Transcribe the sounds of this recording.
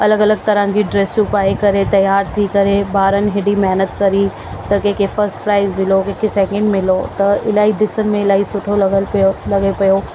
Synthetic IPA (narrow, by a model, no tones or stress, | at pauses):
ɐləɡɐləɡ̚t̪ɐɾə̃d͡ʑiːɖɾeːsupaːikɐɾet̪ɐjaːɾt̪ʰikɐɾebaːɾənɪ̆ɦɪɽimɐɦnət̪kɐɾi | t̪ɐkeːkʰefɐɾsʈpɾaːɪzmɪlokeːkʰesɛːkɛ̃ɳɖmɪlot̪ɐɪlaːid̪ɪsənɪ̆mẽɪlaːɦisʊʈʰolɡlɐɡepɐjo